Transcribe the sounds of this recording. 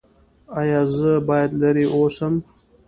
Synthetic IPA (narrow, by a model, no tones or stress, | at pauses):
ɑjɑːzəbɑjad̪laɾiʔosəm